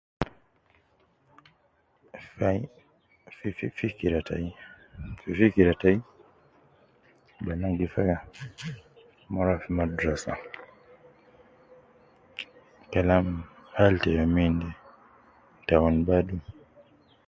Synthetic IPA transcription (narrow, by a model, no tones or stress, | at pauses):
fa | fffikiɾatʰa̰j | fifikiɾataji | banaɡifaka | mɔɾafimadɾasa̰ | kalamhaltɛjamindɛ | ntawɔnbadu